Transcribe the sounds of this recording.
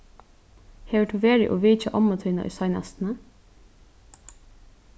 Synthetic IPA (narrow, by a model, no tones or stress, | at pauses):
heːʋəʈuːʋeːɹɪ̰ʔoːʋiːt͡ʃaʔɔmət̪ʰʏːna̰ʔʏ̰ːsɑɪna̰st̪n̩ə